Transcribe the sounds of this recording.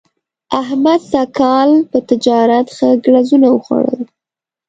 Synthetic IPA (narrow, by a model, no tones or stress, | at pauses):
aɦmad̪sakɑlpət̪ɪd͡ʒɑɾat̪xəɡɽazunawəxwa̰ɽə̰l